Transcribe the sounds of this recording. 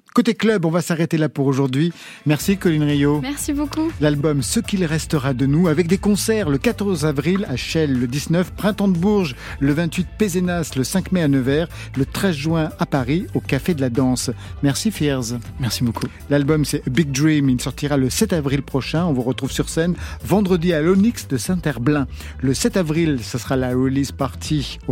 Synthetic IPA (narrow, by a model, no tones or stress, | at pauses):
kot̪eklœbɔ̃vasaʁet̪elapuʁoʒuʁd̪ɥimɛʁsikɔlinʁijomɛʁsibokulalbɔmsəkʲilʁɛst̪əʁad̪ənuavɛk̚d̪ekɔ̃sɛʁləkat̪ɔʁzavʁilaʃɛlːəd̪iznœfpχɛ̃t̪ɑ̃d̪əbuʁʒləvɛ̃t̪ɥit̪̚pezenasləsɛ̃kmeanəvɛːʁ | lət̪χɛzʒɥwɛ̃apaʁiokafed̪əlad̪ɑ̃smɛʁsifiʁzmɛsiboku | lalbɔmsɛbiɡ̚d̪ʁimilsɔʁt̪iʁaləsɛt̪avʁilpχɔʃɛ̃ɔ̃vuʁət̪χuv̥syʁsɛnvɑ̃d̪ʁəd̪ialɔniksd̪əsɛ̃t̪ɛʁblɛ̃ | ləsɛt̪avʁilsəsəʁalaulizpaʁt̪ʰi